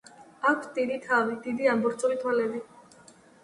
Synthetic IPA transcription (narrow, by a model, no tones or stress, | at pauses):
akʷʰsd̪id̪it̪ʰavid̪id̪iambɔɾt̪sʰʼuɾit̪ʰwalɛbi